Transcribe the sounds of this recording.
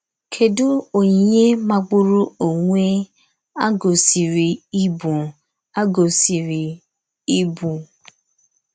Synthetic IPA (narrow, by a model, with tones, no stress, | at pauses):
kʰe˨dʊ˦o˨ɲi˨ɲe˦ma˨ɡ͡bʊ˦ɾu˦o˨ŋʷe˦ | a˦ɡo˨si˨ɾi˨i˦bu˨ | a˦ɡo˨si˨ɾi˨ | i˦bu˨